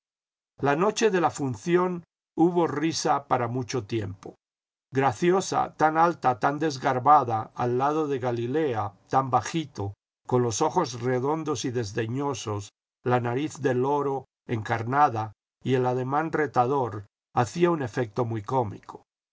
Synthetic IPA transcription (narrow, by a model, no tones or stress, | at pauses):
lano̞t͡ʃe̞ðe̞lafunθjo̞n | uβo̞risapaɾamut͡ʃo̞t̪je̞mpo̞ | ɣɾaθjo̞sa̰t̪analt̪at̪and̪e̞zɣaɾβaðaːlːað̞o̞ðe̞ɣalileat̪ambaxit̪o | ko̞nlo̞so̞xo̞zre̞ðo̞nd̪o̞siðe̞zðe̞ɲo̞so̞s | lanaɾiθðe̞lo̞ɾo̞ | eŋkaɾnaða | ie̞lað̞e̞mãnre̞t̪aðo̞ɾ | aθiaune̞fek̚t̪o̞mujko̞mḭko̥